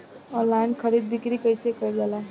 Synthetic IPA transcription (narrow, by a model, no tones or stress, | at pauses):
ɔlaɪnkʰəɾid̪̚bikɾikəjsekəjd͡ʒala